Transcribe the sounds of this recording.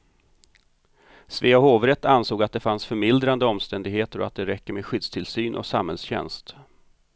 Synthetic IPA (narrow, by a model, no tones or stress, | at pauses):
sveːaɦoːvɾɛt̪ːansoːɡat̪̚d̪ɛfansfœɾmɪld̪ɾand̪əɔmst̪ɛnd̪ɪɡheːt̪əɾɔat̪̚d̪ɛɾɛkːəɾmeːɧʏd̪st̪ʰɪlsyːnʔɔ̰sa̰mhɛ̰lsɕɛ̰nst̪